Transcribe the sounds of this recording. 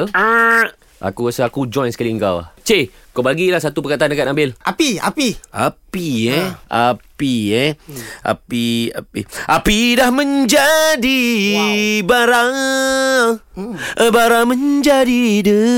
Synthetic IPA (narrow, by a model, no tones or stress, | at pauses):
əa | ʔa̰kuasəakud͡ʒɔjnsə̥kaliəŋkawa̰ht͡ʃe | kabaɡilahsat̪upəkat̪andəkanambɪlʔapia̰piapiɛʔapiɛʔa̰pia̰piʔapidahmə̃ɲd͡ʒadi | baɾaŋ | ʔbaɾaŋməɲd͡ʒadidə